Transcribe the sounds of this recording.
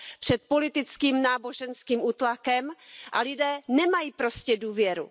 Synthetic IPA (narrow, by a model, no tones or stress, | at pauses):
pr̥ɛt̪̚po̞lɪt̪ɪt͡skiːmnaːboʒɛnskiːmuːt̪lakɛmʔa̰lɪdɛːnɛmajiːpɾo̞scɛduːvjɛɾṵ